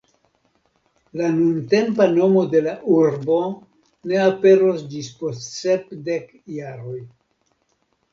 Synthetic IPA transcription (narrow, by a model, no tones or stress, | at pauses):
lanunte̞mpano̞mo̞de̞laʔuɾbo̞ | ne̞ape̞ɾo̞sd͡ʒispo̞stse̞pde̞k | jaɾo̞j